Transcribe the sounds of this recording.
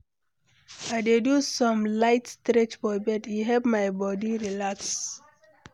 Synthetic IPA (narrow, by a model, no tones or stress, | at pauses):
ajdedusɔ̃mlaɪtstɾɹɛt͡ʃfɔbɛdjuɦɛvmajbɔdiɹilaks